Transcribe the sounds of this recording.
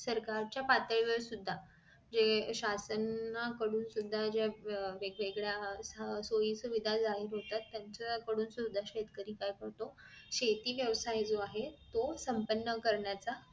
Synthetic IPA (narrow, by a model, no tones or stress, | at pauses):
səɾkaɾt͡ɕjapat̪əɭʋəɭsud̪ʱːa | d͡ʑeɕasənːakəɽuːnsud̪ʱːad͡ʑaʋeɡʋeɡɭjassojiːsuʋid̪ʱad͡zaɦiɾɦot̪at̪ːjaɲt͡sakəɽuːnsud̪ʱːaɕet̪kəɾiːkajkəɽt̪o | ɕet̪iːʋjəʋsajd͡zoaɦet̪osəmpənːəkəɾɳjat͡sa